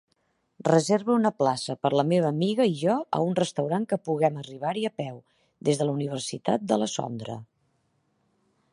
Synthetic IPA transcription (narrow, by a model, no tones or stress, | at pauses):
rəzeɾβəunəplasəpəɾləmeβ̞əːmiɣəiʒɔə̰unrəst̪əwɾaŋkəpuɣɛməriβ̞aɾiəpɛw | d̪ezðələuniβ̞ərsit̪a̰t̪̚d̪ələzɔ̰nd̪ɾə̰